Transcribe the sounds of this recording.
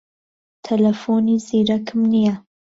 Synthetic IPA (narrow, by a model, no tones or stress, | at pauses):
t̪ʰɐlɐfoniziɾɐkʰɨmnija